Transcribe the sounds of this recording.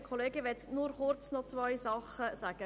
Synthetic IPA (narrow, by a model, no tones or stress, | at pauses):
kʰoleːɡəʋɛt̪ənuːɾχʊɾt͡snɔt͡svaɪzɑχəsæːɡ̥ə